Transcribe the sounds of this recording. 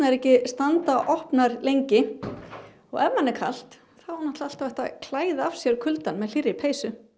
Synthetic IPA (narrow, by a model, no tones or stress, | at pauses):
aɛɾɛhcɪst̪ant̪aʔɔhpnaɾlejɲcɪ | ɔ̰ɣɛvhanːɛɾkʰa̰l̥t̪ | θanaht̪aalt̪avɛht̪akʰlaːjðafsjɛɾkʰʏlt̪anmɛðl̥irːɪpʰeːjsʏ